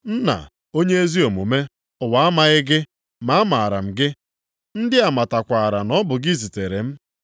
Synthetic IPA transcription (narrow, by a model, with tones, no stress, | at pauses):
n̩˦na̰˨ | o˦ɲe˦e˦zi˦o˨mu˨me˦ | ʊ˨wa˨a˦ma˨ɣɪ˦ɡɪ˦ | ma˨˦ma˨a˨ɾa̰˨m̩˨ɡɪ˦ | n̩˦dɪ˦a˨ma˨ta˨kʷa˨a˨ɾa˨nɔ˦bʊ˨ɡi˦zi˨te˨ɾe˨m̩˦